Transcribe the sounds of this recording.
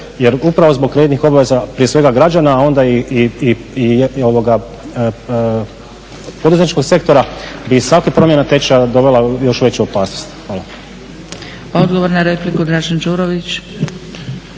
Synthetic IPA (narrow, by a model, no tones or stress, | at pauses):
je̞ɾupɾaʋo̞zbokɾed̪nixo̞baʋe̞zapɾijesʋe̞ɡaɡɾad͡ʑanaːo̞nd̪aiii | io̞ʋo̞ɡa | po̞d̪uzet̪it͡ʃko̞ɡse̞kt̪o̞ɾabisʋakipɾo̞mje̞nat̪e̞t͡ɕad̪o̞ʋe̞lajo̞ʃuʋe̞t͡ɕuopaːsnost̪xʋaːlˠa | aod̪ɡoʋoɾnaɾeplikud̪ɾaːʒand͡ʒuːɾoʋit͡ʃ